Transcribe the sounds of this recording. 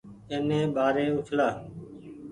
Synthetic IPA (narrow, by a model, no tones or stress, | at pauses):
eːnẽːɓaːɾeːʊʈʰlaː